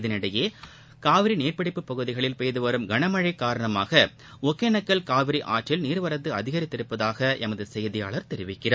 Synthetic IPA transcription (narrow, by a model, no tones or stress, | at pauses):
ðɪnɪɽɐjeː | kaːʋɪɾineːrpɐɽɪpːɯpːɐɣɯðɪɣɐɭɪlpɛjɐðɯʋɐɾɯmɡɐɳɐmɐɻɐɪkːaːɾɐɳɐma̰ːɣɐ | ɔkːenɐkːɐɭkaːʋɪɾiʔaːʈrɪlniːɾɯʋɐɾɐt̪ːɯɐðɪɣɐɾɪt̪ːɪɾɯpːɐðaːɣɐʔɛmɐðɯsɛjðɪja̰ːɭɐɾt̪ɛɾɪʋɪkːɪraː